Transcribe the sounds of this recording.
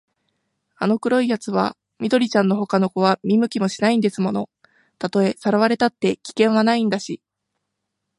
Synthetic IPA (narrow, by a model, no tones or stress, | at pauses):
ano̞kɯ̟ɾo̞ijat͡sɨβa̰ | mʲid̪o̞ɾʲit͡ɕãnːo̞ɦo̞kano̞ko̞β̞amʲimɯ̟kʲimo̞ɕinaĩnd̪e̞sɨmo̞no̞ | t̪at̪o̞e̞saɾaβaɾe̞t̪at̪ːe̞kʲi̥kẽ̞ɰ̃anaĩnd̪aɕi